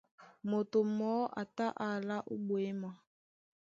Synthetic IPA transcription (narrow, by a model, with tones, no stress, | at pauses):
mo˨to˨mɔ˨˦ʔa̰˨ta˦ʔa˨la˦ʔo˦bwe˦ma˨